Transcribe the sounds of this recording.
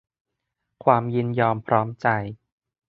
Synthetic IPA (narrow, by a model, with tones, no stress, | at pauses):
kʰwaː˧mji˧njɔː˧mpʰɾɔː˦˥mt͡ɕa˧j